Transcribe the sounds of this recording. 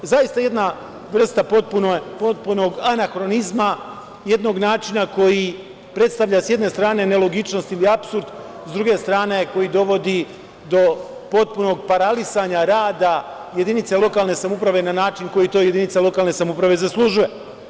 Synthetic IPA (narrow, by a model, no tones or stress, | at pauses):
zajist̪aje̞d̪na | ʋr̩st̪apot̪̚punopot̪̚puno̞ɡanaxɾo̞nizma | je̞d̪no̞ɡnaːt͡ʃinako̞ji | pɾe̞t̪st̪aʋʎasje̞d̪ne̞st̪ɾaːne̞ne̞lˠo̞ɡit͡ʃno̞st̪iliapsuɾd̪ | zd̪ɾuɡe̞st̪ɾaːneko̞jid̪o̞ʋo̞d̪i | d̪o̞ | po̞t̪̚puno̞ɡ̚paɾalisaːɲaɾaːd̪a | je̞d̪init̪selˠo̞kaːlˠne̞samupɾaʋe̞nanaːt͡ʃinko̞jit̪o̞ːjeinit̪salo̞kaːlne̞samupɾaʋe̞zaslˠuʒuje